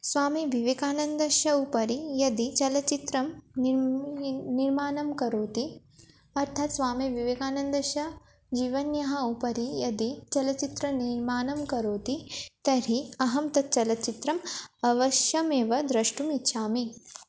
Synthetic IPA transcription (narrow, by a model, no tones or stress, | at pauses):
sʋaːmibʱiʋeːkaːnɐnd̪ɐʃɐupɐɾijɐd̪it͡ʃɐlɐt͡ʃit̪ɾɐmn | niɾmaːnɐmkɐɾoːt̪i | ɐɾt̪ʰaːt̪sʋaːmiʋiʋeːkaːnɐnd̪ɐʃɐ | d͡ʒiːʋɐnjɐɦɐupɐɾijɐd̪it͡ʃɐlɐt͡ʃit̪ɾɐniɾmaːnɐmkɐɾoːt̪it̪ɐɾiɐɦɐmt̪ɐt̪̚t͡ʃɐlɐt͡ʃit̪ɾɐmɐʋɐʃjɐmeːʋɐd̪ɾɐʃʈumit̪ːʃʰaːmi